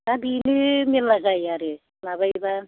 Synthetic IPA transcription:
abinɯmilːaɡajaɾɯ | labajba

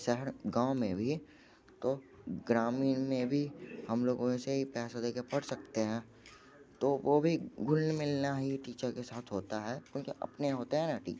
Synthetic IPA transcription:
ʃɛɦəɾɡãːʊmẽbʱi | t̪oɡɾaːmiːnmẽbʱihɐmloːɡõɛseɦipɛːsad̪eːkepɐɽsɐk̚t̪eɦɛ̃ː | t̪oʋobʱiɡʱʊlnmɪlnaɦiʈiːt͡ʃəɾkesaːt̪ʰɦoːt̪aɦɛkõːkeʔɐ̰pneɦoːt̪eɦɛ̃naʈḭːt͡ʃ

